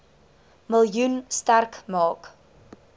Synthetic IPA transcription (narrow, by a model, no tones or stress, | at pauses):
məlˠjunstærkmɑːk